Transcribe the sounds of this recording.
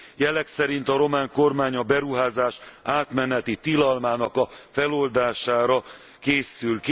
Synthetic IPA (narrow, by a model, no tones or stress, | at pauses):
jɛlɛksɛɾint̪ɒɾo̞maːŋko̞rmaːɲɒbɛɾuɦaːzaːʃaːt̪mɛnɛt̪it̪ilɒlmaːnɒkɒfɛlo̞ld̪aːʃaːɾɒ | keːsylk